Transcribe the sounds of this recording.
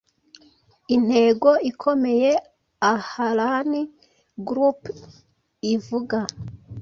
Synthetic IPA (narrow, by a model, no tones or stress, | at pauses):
in̥he̞ɡo̞ikʰo̞me̞je̞ | ahaɾani | ɡɾup | ivuɡa